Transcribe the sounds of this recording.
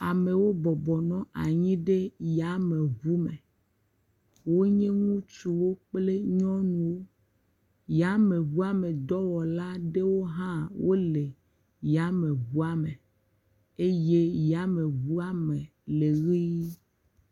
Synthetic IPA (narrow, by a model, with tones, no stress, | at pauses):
a˨mẽ˨wo˦bɔ˨bɔ˨nɔ̃˦a̰˨ɲĩ˦ɖe˦ja˨˦me˨ɣu˦mẽ˨ | wo˦ɲẽ˦ŋũ˦t͡ʃu˨wo˦k͡ple˦ɲɔ̃˦nũ˨wo˦ | ja˨˦mẽ˨βu˦a˦mẽ˨d̪ɔ˦wɔ˨la˦ɖe˦wo˦ɦã˦wo˦le˨ | ja˨˦mẽ˨βu˦a˦mẽ˨ | e˦je˦ja˨˦mẽ˨βu˦a˦mẽ˨ | le˨ɣi˦